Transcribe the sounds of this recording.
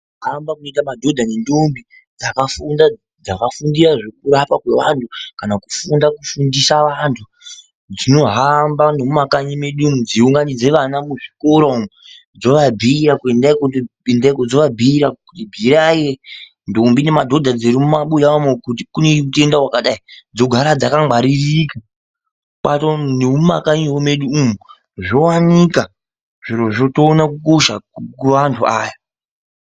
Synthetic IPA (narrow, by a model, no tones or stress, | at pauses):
ɦambakunoitamadʱo̞dʱanendombi | d͡zakafunda | d͡zakafundiɾaʐe̞k̚uɾapakwe̞ʋantʰukanaku̥fundakufundisaʋantʰu | d͡zino̞ɦambano̞mumakaɲimeɗunud͡ziuŋɡanid͡ze̞ʋanamuʐikoɾom | d͡zo̞ʋabʱiːɾakue̞ndaikoendaikod͡zoʋabʱiːɾakutibʱiɾaje | ndombine̞madʱo̞dʱad͡zeɾimumaɓujaamekuti̥kuneute̞ndawakaɗaid͡zo̞ɡʱaɾad͡zakaŋaɾirika | ɓatoneuma̰kaɲiwome̞ɗuumu | ʐo̞wanika | ʐ̥iɾoʐo̞to̞ːnakukoʃakuʋantʰuaːja